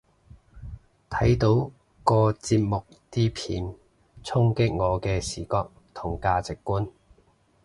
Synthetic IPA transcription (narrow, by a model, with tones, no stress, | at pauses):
t̪ʰɐ˨˥jt̪o˨˥w | kɔː˧t͡siː˧p̚mʊ˨k̚t̪iː˥pʰḭː˨˧n | t͡sʰʊ˥ŋkɪ˥k̚ŋɔː˨˧kɛː˧siː˨˩kɔː˧k̚t̪ʰʊ˨˩ŋkaː˧t͡sɪ˨kːuː˥n